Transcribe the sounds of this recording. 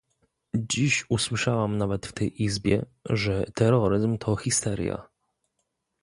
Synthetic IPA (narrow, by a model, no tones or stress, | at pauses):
d͡ʑiɕuswɘʂawamnavɛt̪ft̪ɛjʔizbʲjɛ̰ʐɛt̪ɛɾɔɾɘzmt̪ʰɔxʲist̪ɛɾʲja̰